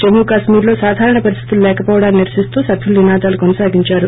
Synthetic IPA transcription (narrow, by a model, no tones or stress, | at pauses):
d͡ʒemuːkaːʃmiːɾlo̞ːsaːd̪ʱaːɾɐɳɐpɐɾist̪iit̪ululɛːkɐpoːʋɐɽaːniniɾsist̪uːsɐb̪ʱjulːinaːd̪aːlukɔnɐsaːɡiɲt͡ʃaːɾu